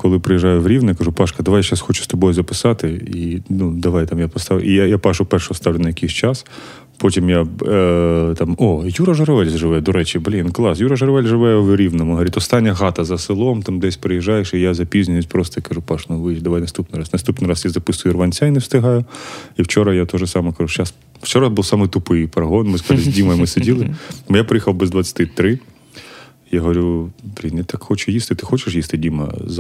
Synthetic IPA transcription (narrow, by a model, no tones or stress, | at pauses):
kɔlˠɪpɾɪjiʒɑjʊwɾʲiwnjakɐʒupɑʃkɐd̪ɐʋajʃasxɔt͡ʃʊ̥st̪ɔbɔjʊzɐpɪsɑt̪ɪinud̪ɐʋajt̪amjapɔst̪ɑʋ̰ʔijajapɑʃʊpɛrʃɐɔst̪ɑʋlʲɪnʊɐjɐkejsʲt͡ʃɑs | pɔtʲimja | t̪ɑmɔjuɾɐʒɐɾɐʋɛlʲzʒɪʋɛɛd̪ɔɾɛt͡ʃʲɪblʲinklˠɑsjuɾɐʒɐɾɐʋɛlʲʒɪʋɛjɛwɾʲiʋnɔmʊɦɐɾʲit̪ɔst̪ɑnʲːɐɦɑt̪ɐzɐsɪlˠɔmt̪amd̪ɛsʲpɾɪjɪʒɑjeʃijazɐpʲizʲnʲɪnjʊt̚ʲpɾɔst̪ɐkɐʒupɑʃnʊʋɪd̪ɐʋajnɐst̪upnɪɾɑsnɐst̪upnɪɾɑsjazɐpɪsʊjʊrʋɐnʲt͡sʲajnɛwst̪ɪɦɑjʊiwt͡ʃɔɾɐjat̪ɔʒɛsɑmɐkɐʒut͡ʃas | wt͡ʃɔɾɐbuwsɑmɨjt̪ʊpɪjpɐɾɐɦɔnmɪskɐʒzʲdʲimɐjmɪsedʲilˠɪmʊjapɾɪjixɐwbɛzd̪ʋɐt͡sʲːɐ̥t̪ɪt̪ɾɪ | jaɦɔʋɐɾʲublʲinɛt̪ɑkxɔt͡ʃʊjist̪ɪt̪ɪxɔt͡ʃɪʃ̬jist̪ɪdʲimɐ̰z